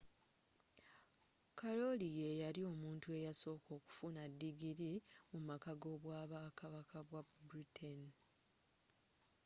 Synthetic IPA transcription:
kalo̞lijejaɾio̞muːntue̞jaso̞ːko̞ːku̥funadːiɡiɾimumakaɡo̞βwaːβaːkaβakʰaβwabuɾitʰen

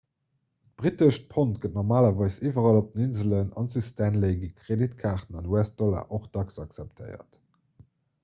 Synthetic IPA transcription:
tb̥ʁitəʃt̚pʰontɡ̥ət̚nɔʁmaːlɐvɑɪsiːvɐʁɑlop̚dəninzələnɑ̰nsustænleɪɡikʁeditkʰaːʁtənɑndwɛst̚d̥ola̰ːʔoχd̥ɑksɑksæp̚tʰə̰ɪɐ̰t

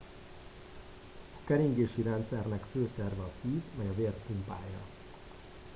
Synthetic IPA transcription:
ɒkɛɾiŋɡeːʃiɾɛnt̪sɛrnɛkføːsɛrvɛɒsiːvmɛjɒveːrt̪ːumpa̰ːjːɒ̰

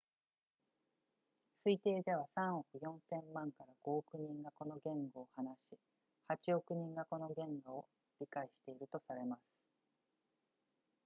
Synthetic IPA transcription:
sɨit̪e̞ːd̪e̞β̞asãɰ̃okɯ̟jõ̞ɰ̃sẽ̞mmãŋkaɾaɡ̥o̞ːkɯ̟ɲ̟ĩŋɡako̞no̞ɡẽ̞ŋɡo̞ːhanaɕi | hat͡ɕio̞kɯ̟ɲ̟ĩŋɡako̞no̞ɡẽ̞ŋɡoo | ɾʲikaiɕi̥t̪e̞iɾɯ̟t̪o̞saɾe̞masɨ̥

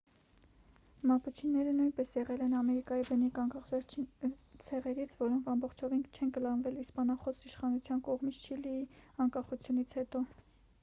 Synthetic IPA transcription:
mɑput͡ʃʰinːɛɾənujnpɛsjɛʁɛlɛnɑmɛɾikɑjibənikɑŋkɑχvɛɾʰit͡sʰɛʁɛɾit͡sʰvɔɾɔŋkʰɑmbɔχt͡ʃʰɔvinkʰt͡ʃʰɛnɡəlɑnvɛlispɑnɑχɔsiʃχɑnut͡sʰjɑnkɔʁmit͡sʰt͡ʃʰiliiɑŋkɑχut͡sʰjunit͡sʰhɛt̪ɔ

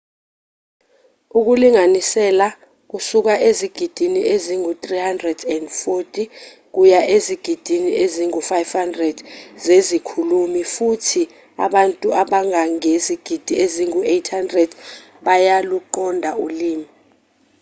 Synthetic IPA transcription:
uk̬uliŋanisɛla | k̬usuk̬aʔeziɡ̥ʱid̥ʱiniʔeziŋut̪ʼrihandrɛdɛndfotʼi | k̬ujaʔeziɡ̥ʱid̥ʱiniʔeziŋufajvhandrɛd̥zezikʰulumifutʰi | a̰ɓantʼuʔaɓaŋaŋeziɡ̥ʱid̥ʱieziŋuejtʰhandrɛd̥ | ɓajaluǃɔndʱauliːmi

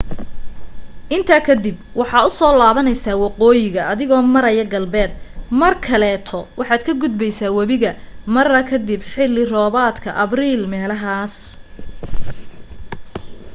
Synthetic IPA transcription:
ʔɪnt̪ʰaːkʰɐd̪ɪbwɑħɑːʊsɔːlaːβɐnɛjsaːwɑqɔːjɪɣɐɐðɪɣɔːmɐɾɐjɐɡɐlbɛːd̪̚mɐrkʰɐlɛːt̪ʰɔwʔɑħɑːd̪kʰɐɡʊd̪̚bɛjsaːwɐβɪɣɐ | mɐrɐkʰɐd̪ɪbħɪlːɪrɔːβaːd̪kʰɐʔɐbriːlmɛːlɐɦaːs

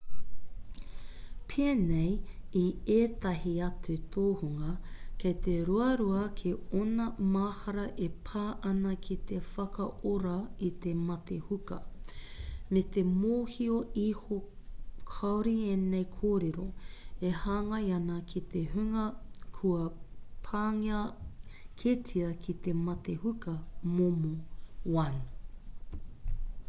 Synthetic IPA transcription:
pʰeːnejieːt̪ɐɦiɐt͡sut̪ʰoːhuŋɐkʰejt̪eɾuɐɾuɐkʰeonɐmaːhɐɾɐʔepʰaːʔɐnɐkʰit̪efɐkɐoɾɐit̪emɐt̪ehukɐ | met̪emoːhioihokʰɐwɾienejkʰoːɾeɾoehaːŋɐjɐnɐkʰit̪eɦʉŋɐkʰuɐpʰaːŋiɐ | kʰetʰiɐkʰit̪emɐt̪ehukɐmomowɐn

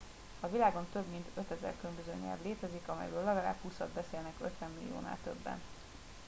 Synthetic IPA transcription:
ɒvilaːɡo̞nt̪ø̞bmint̪ø̞t̪ɛzɛ̰rkylømbøzøːɲɛ̰lvleːt̪ɛzikɒmɛ̰jbøːlːɒvɛɾa̰ːphuːsɒd̪bɛseːlnɛkøt̪ʋɛmːilḭjo̰ːna̰ːlt̪ø̰bːɛ̰n

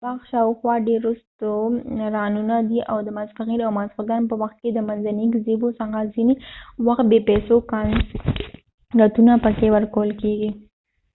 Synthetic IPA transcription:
bɑxʃɑwxwɑɖeɾust̪oɾɑnunad̪iʔawd̪əmazfaɣiɾawmazxʊd̪anpəwaxt̪̚ked̪əmanzaniɡzebosaɡazinewaxt̪̚bepɛsokɑn | ɡat̪unapəkewəɾkawəlkeɡi

